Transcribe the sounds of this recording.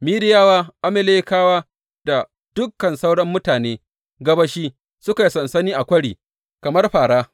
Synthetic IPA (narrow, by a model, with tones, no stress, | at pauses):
miː˦dɪ˦jaː˦waː˦ʔa˦mɪ˨leː˦kaː˦waː˦ | d̥a˨ | d̥ʊ˦kːɐ˨nsa˦wɽɐ˦mːʊ˦taː˨neː˦ | ɡɐ˦bɐ˦ʃiː˦ | sʊ˦ka˨i˨sɐ˨nsɐ˦niː˦ʔa˨kʷɐ˦ɽiː˨ | kɐ˨mɐ˦rɸaː˨ɽaː˦